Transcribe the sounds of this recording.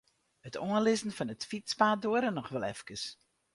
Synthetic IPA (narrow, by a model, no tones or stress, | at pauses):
hətʰoənlɪzn̩fɑnətfispaːdoəɾənɔxʋɛlˠɛ̰fkəs